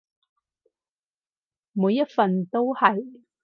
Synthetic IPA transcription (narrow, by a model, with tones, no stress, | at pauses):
muː˨˧jːɐ˥t̚fɐ˨nt̪o˥whɐ˨j